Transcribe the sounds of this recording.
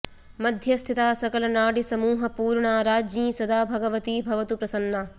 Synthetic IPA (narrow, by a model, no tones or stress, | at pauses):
mɐd̪ʱjɐst̪ʰit̪aːsɐkɐlɐnaːɽisɐmuːɦɐpuːɾɳaːɾaːd͡ʒĩːsɐd̪aːbʱɐɡɐʋɐt̪iːbʱɐʋɐt̪upɾɐsɐnːaː